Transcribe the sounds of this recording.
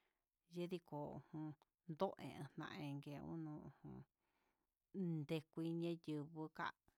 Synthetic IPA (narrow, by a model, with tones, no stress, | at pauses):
je˦ði˧ko˨ṵ˨hũ˧ | nd̪o˦ʔḛ̃˧ẽ˧n̥ã̰˧ʔẽ˧ŋɡe˧˨˧ṵ̃˦nũ˧ũ˧hũ˧ | nd̪e˧kʷi˧ɲẽ˦jɨ˧˨βɨ˧ka̰˦ʔ